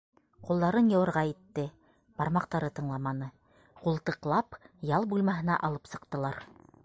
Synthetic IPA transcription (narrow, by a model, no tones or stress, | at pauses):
qulˠd̪ɑɾɤnjɤ̆wɤ̆ɾʁɑjit̪ːɘ | b̥ɑɾmɑqt̪ɑɾɤt̪ɤ̆ɴlˠɑmɑnɤ | qulˠt̪ɤ̆qlˠɑpjɑlˠbulˠmɑɦɘ̆nɑʔɑlˠɤpsɤ̆qt̪ɤ̆lˠɑɾ